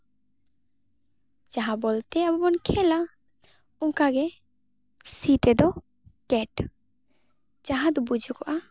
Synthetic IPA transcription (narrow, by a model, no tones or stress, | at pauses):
t͡ʃaɦabɔlt̪ɛabɔbɔnkʰɛla | uŋkaɡɛ | sit̪ɛd̪ɔ | kɛʈ | d͡ʒaɦad̪bud͡ʒʱukɔʔa